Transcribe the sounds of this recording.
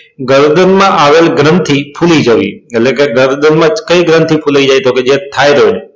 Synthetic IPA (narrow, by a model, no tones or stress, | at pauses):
ɡəɾd̪ənmãʔaʋəlɡɾənt̪ʰipʰulid͡ʒəʋḭetlekeɡəɾd̪ənmãkəiɡɾənt̪ʰipʰulajd͡ʒajt̪oked͡ʒet̪ʰːajɾəɦot͡ʃe